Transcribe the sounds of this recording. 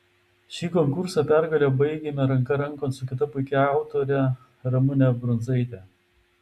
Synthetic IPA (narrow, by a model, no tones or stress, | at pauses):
ʃʲiːkɔŋkʊɾsɑpʲæˑɾɡɐlʲobɐɪɡʲeːmʲɛɾɐŋkɐɾɐŋˑkoːnt̪sʊkʲɪt̪ɐpʊɪkʲɛɑˑʊt̪oɾʲɛ | ɾɐmʊnʲɛbɾɔnzɐɪt̪ʲɛ